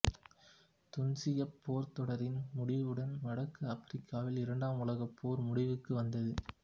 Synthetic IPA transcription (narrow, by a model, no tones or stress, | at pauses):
t̪ʊnsɪjɐpʰːoːɾt̪ɔɽɐɾɪnmʊɽɪʋɯɽɐnʋɐɽɐkːɯɐfɪɾɪkʰːaːʋɪlɪɾɐɳɖaːmʊlɐɣɐpʰːoːɾmʊɽɪʋɯkːɯʋɐnd̪ɐðɯ